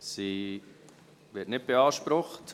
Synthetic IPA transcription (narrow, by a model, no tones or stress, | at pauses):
si | ʋɪtnɪt̚b̥eɑːʃpɾʊχt